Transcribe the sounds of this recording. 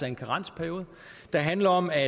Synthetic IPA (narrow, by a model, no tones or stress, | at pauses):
ɑe̝nkʰɑʁɑ̈n̰sə̥pʰæɐjo̝ːð̩ˠ | d̥ɑ̈ɦænlɐɒ̽mæ